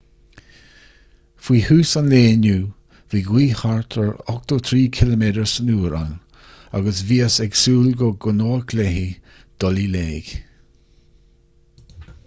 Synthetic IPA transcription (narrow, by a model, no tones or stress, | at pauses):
fwiːhuːsanleːnu | viːɡwiːhaɹt̪ʰəɹɔk̚t̪ot̪ʰɾiːkʰɪləmedəɹsənuːɾa̰n | a̰ɡəsviːəsɛɡsuːlɡoɡʊnoːkʰlɛhi | d̪̥ɔlileːɡ̥